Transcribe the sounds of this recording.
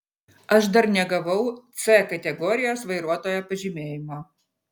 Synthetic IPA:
ɐʃd̪ɐɾnʲɛɡɐʋɐʊt̪sɛkɐt̪ʲɛɡɔːɾʲɪjoːsʋɐɪɾuɔt̪oːjɛpɐʒʲiːmʲeːjɪmoː

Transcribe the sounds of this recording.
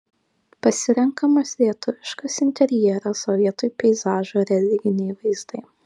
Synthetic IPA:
pɐsʲɪɾʲɛŋkɐmɐslʲiɛt̪ʊʋʲɪʃkɐsɪnʲt̪ʲɛɾʲjɛɛɾɐsɔʋʲiɛt̪ʊjpʲɛɪzɑːʒoːɾʲɛlʲɪɡʲɪnʲɛɪʋɐɪzd̪ɐɪ

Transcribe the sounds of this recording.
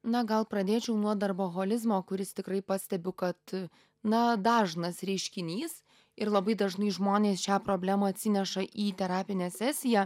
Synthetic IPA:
nɐɡɐlˠpɾɐd̪ʲeːt͡ʃʲɛʊnuɔd̪ɐrboːɣoːlʲɪzmoːkʊɾʲɪst̪ʲɪkɾɐɪpɑsʲt̪ʲɛbʲʊkɐt̪ | nɐd̪ɑːʒnɐsɾʲɛɪʃʲkʲɪnʲiːs | ɪɾlˠɐbɐɪd̪ɐʒnɐɪʒmoːnʲeːsʃʲæːpɾoːbʲlʲæːmɐɐt̪ʲsʲɪnʲɛʃɐʔiːt̪ʲɛɾɑːpʲɪnʲæːsʲæsʲɪjæ

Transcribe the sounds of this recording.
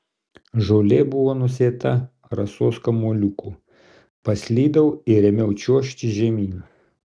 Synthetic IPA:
ʒɔːlʲeːbʊʋoːnʊsʲeːt̪ɐ | ɾɐsoːskɐmolʲʊku | pɐsʲlʲiːd̪ɐʊɪɾʲɛmʲɛʊt͡ʃʲuɔʃʲt̪ʲiʒʲɛmʲiːnu

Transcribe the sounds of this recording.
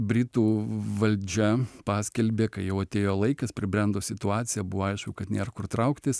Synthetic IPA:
bʲɾʲɪt̪uːʋɐlʲd͡ʒʲɛpɑːsʲkʲɛlʲbʲeːkɐɪjɛʊɐt̪ʲeːjoːlˠɐɪkɐspʲɾʲɪbʲɾʲɛnd̪oːsʲɪt̪ʊɑːt̪sʲɪjɛbʊʋoːɐɪʃkʊkɐt̪nʲeːɾɐkʊrt̪ɾɐʊkt̪ʲɪs

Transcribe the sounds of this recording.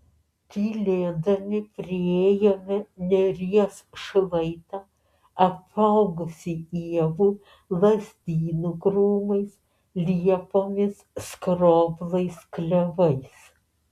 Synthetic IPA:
t̪ʲiːlʲeːd̪ɐmʲɪpʲɾʲɪeːjɛːmʲɪnʲɛɾʲiɛsʃlˠɐɪt̪ɑː | ɐpɐʊɡʊsʲiiɛʋuː | lˠɐsʲd̪ʲiːnʊɡɾuːmɐɪs | lʲiɛpoːmʲɪsskɾoːblˠɐɪsklʲɛʋɐɪs

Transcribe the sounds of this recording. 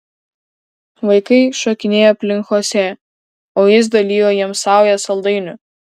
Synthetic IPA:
ʋɐɪkɐɪʃoːkʲɪnʲeːjoːɐpʲlʲɪŋˑkoːsʲɛ | oːjɪs̬d̪ɐlʲiːjoːjiɛmsɑˑʊjɛsɐlˠd̪ɐɪnʲʊ

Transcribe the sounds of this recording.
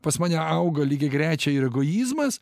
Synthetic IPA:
pɐsmɑːnʲɛɐʊɡɐlʲiːɡʲɪɡɾʲæːt͡ʃʲɛiɾɛɡoːjiːzmɐs

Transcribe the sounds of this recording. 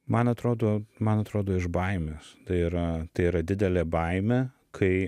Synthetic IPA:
mɐnɐt̪ɾoːd̪oːmɐnɐt̪ɾoːd̪oːɪʒbɐɪmʲeːst̪ɐɪiɾɐt̪ɐɪiːɾɐd̪ʲɪd̪ʲɛlʲeːbɐɪmʲeː | kʰɐɪ

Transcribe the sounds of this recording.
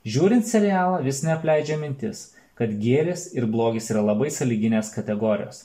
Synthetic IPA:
ʒʲuːɾʲɪnt̪sʲɛɾʲɪjæːlˠɐʋʲɪsnʲɛɐpʲlʲɛɪd͡ʒʲɛmʲɪnʲt̪ʲɪs | kɐt̪ɡʲeːlʲesɪɾblˠoːɡʲɪːsiːɾɐlˠɐbɐɪsɐlʲiɡʲɪnʲeːskɐt̪ʲɛɡoːɾʲɪjo̰ːs

